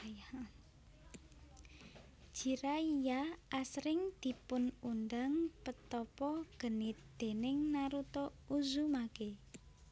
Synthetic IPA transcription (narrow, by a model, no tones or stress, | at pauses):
d͡ʒ̥i̤ɾaijaasɾɪŋd̪̥i̤pʊnunɖaŋpət̪ɔpɔɡ̥ənid̪̥e̤nɪŋnaɾut̪ɔ | uzumake